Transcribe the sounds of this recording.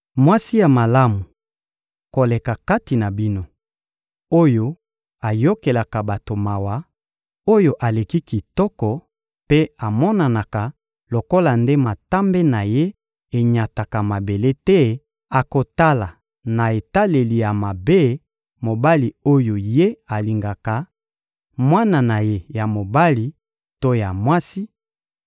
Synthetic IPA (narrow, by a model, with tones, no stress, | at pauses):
mwa˦si˦ja˨ma˨la˦mu˨ | ko˨le˨ka˨ka˦ti˨na˨bi˦no˦ | o˦jo˦ | a˨jo˦ke˨la˨ka˨ba˨to˨ma˨wa˦ | o˦jo˦ʔa˨le˨ki˦ki˨tɔ˦kɔ˨ | pe˦a˨mɔ˦na˨na˨ka˨ | lo˨ko˦la˨nde˦ma˨ta˦mbe˦na˨je˦ | e˨ɲa˨ta˨ka˨ma˨be˨le˦tɛ˦ | a˨ko˨ta˦la˨ | na˨e˨ta˦le˨li˨ja˨ma˨be˦ | mo˨ba˦li˨o˦jo˨je˦a˨li˨ŋɡa˨ka˨ | mwa˦na˨na˨je˦ja˨mo˨ba˦li˨ | to˦ja˨mwa˦si˦